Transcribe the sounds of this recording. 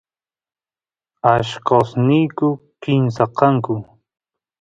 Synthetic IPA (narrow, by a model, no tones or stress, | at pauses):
aʃkosnijkʊkɪmsaqɑŋkʊ